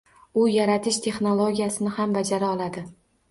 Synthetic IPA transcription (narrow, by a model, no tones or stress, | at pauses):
ʊjaɾat̪ʰɪʃt̪ʰe̞χno̞lˠoɡʲijasɪnɪhamvad͡ʒaɾaɒlˠad̪ɪ